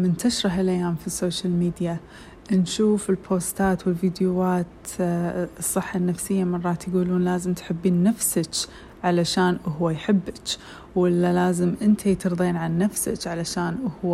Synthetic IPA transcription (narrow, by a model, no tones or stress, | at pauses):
mɪnt̪aʃɾˤɑɦalʔajːaːmfisːoːʃalmiːd̪ja | nʃuːfɪlpʰoːst̪aːt̪wɪlvid̪jwaːt̪ | ɨsˤːɨħːanːafsɪjːamɑrˤːɑːt̪jɡuːluːnlaːzɪmt̪ħɪbːiːnːafsat͡ʃ | ʕalaʃaːnʔʊɦwajħɪbːɪt͡ʃ | wɪlːalaːzɪmʔɪnt̪ʰajt̪ɨɾˤðˤiːnʕanːafsa̰t͡ʃʕalaʃaːnʔʊhwa